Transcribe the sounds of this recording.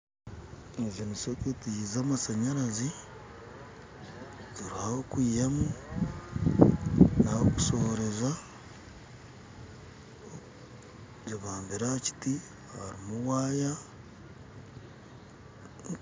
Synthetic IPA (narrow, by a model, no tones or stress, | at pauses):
eziniseketijizaːmasaɲaɾazi | ziɾuhahokwiːjemu | nahoku̥soɾe̞za | ziβaːmbiɾaci̥ti | ha̰ɾimuwaːja